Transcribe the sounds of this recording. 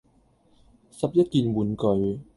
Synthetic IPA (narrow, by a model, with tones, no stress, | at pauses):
sɐ˨p̚jɐ˥t̚kiː˨˧nwuː˨˥nkɵ˨˧ɥ